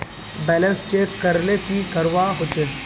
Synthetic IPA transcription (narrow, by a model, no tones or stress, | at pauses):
bɛːlə̃nst͡ʃekːɐɾlekikɐɾʋaɦot͡ʃe